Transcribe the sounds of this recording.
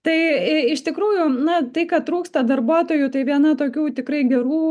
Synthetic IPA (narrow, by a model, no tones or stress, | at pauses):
t̪ɐɪɪʃt̪ʲɪkɾuːjʊnɐt̪ɐɪkɐt̪ɾuːkst̪ɐd̪ɐrbuɔt̪oːjut̪ɐɪʋʲiɛnɐt̪oːkʲuːt̪ʲɪkɾɐɪɡʲɛɾuː